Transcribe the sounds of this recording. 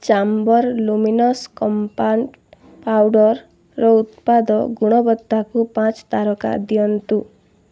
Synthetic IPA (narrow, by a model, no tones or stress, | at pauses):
t͡ʃambɔɾluminɔskɔmpanʈ | pawɖɔɾː | ɔut̪̚pad̪ɔɡuɽ̃ɔbɔd̪ːakupãt͡ʃt̪aɾɔka̰d̪iɔnt̪u